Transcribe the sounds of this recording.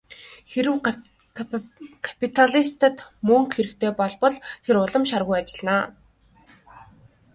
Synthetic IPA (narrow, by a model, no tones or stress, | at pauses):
xeɾɘ̆w | kʰḁpʰit̪ʰaɮist̪ə̆t̪mɵŋkxeɾɘ̆kt̪ʰeːpɔɮpɞ̆ɮt̪ʰeɾʊɮə̆mʃarʁʊjat͡ɕɪ̆ɮnaː